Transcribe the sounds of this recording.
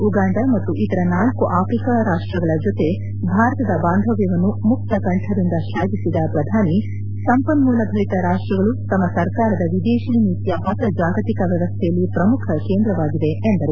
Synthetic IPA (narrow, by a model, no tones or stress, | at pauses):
uɡaːɳɖ̪ɐmɐt̪ːuʔit̪ɐɾɐnaːlkuʔaːfɾikaɾaːʂʈɾɐɡɐɭɐd͡ʒot̪e̞ | bʱaːɾɐt̪ɐd̪ɐbaːnd̪ʱɐʋjɐʋɐnːumuk̚t̪ɐkɐɳʈʰɐɾind̪ɐʃaːɡisid̪ɐpɾɐd̪ʱaːni | sɐmpɐnmuːlɐbʱɐɾit̪ɐɾaːʂʈɾɐɡɐɭut̪ɐmːɐsɐɾkaːɾɐd̪ɐʋid̪eːʃiːnit̪jɐɦɐt̪ɐd͡ʒaːɡɐt̪ikɐʋjɛʋɐst̪ʰɛjɐlːipɾɐmukʰɐkeːnd̪ɾɐʋaːɡid̪e̞ːnd̪ɐɾu